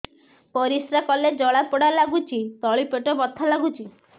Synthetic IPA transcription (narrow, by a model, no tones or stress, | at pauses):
pɔɾisɾakɔled͡ʒɔɭapɔɽalaɡut͡ʃʰit̪ɔɭipeʈɔbɔt̪ʰːalaɡut͡ʃʰi